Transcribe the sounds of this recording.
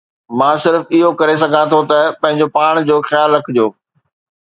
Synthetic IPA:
mãːsɪɾfɪɦokɐɾesɐɡʱãt̪ʰot̪ɐpɐ̃ɦɪ̃ɲd͡ʑopaːɽ̃d͡ʑoːxjaːlːɐkʰɪd͡ʑijoː

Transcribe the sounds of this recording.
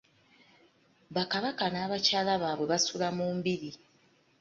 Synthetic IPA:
βakaβakanaːβacaːlaβaːβwe̞βasulamuːmbiɾi

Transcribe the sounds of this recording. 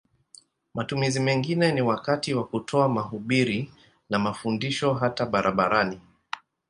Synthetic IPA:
matumizimɛŋɡinɛniwakatiwakutʰɔamaɦuɓiɾi | namafundiʃɔɦataɓaɾʔaɓa̰ɾani

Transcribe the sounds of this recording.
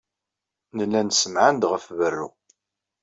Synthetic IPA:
nəlːænsəmʕənd̪ʁəfvərːṵ

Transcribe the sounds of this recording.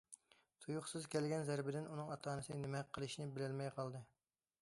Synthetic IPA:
t̪ʰujʊχsɨzkʲɛlɡʲɛnzæɾbɪd̪ɪnunɨŋɑt̪ʰɑːnɨsɨnnɪmɛqʰːəlˠɨʃnɪbɪlɪlmɛjqʰɑlˠd̪ɨ

